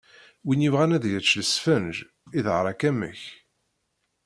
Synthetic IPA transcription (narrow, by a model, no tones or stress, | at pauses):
winjivʁænæðʝət͡ʃːləsfənʒ | iðʕɾˤɑkæmːə̰ç